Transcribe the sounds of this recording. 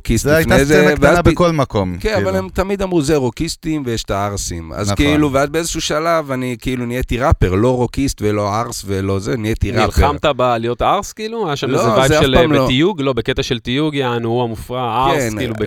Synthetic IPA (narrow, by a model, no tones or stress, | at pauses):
kistiajnaezeveazkolmakomkenavalemt̪amid̪amʁuzeʁokist̪imvejeʃt̪aaʁsima̰zkeiluveazbeezeʃuʃalavanikeilunijet̪iʁapeʁlo̞ʁokist̪velo̞aʁsvelo̞zeniet̪inʁilamt̪abalijo̞t̪aʁskiːluajaʃamloevajzeaʃeflamleoijuɡlo̞beket̪aʃelt̪ijuɡjaanuuamufʁaakesnilube